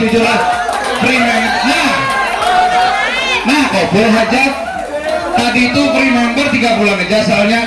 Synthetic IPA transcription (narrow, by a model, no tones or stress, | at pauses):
ud͡ʒulah | pɾimamnah | nahkobʊlɦad͡ʒat̪̚ː | adiːt̪upɾimambərt̪iɡapulanəd͡ʒasəalɲa